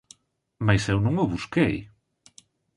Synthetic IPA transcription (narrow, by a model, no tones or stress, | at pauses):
majsewnũŋʊβuskej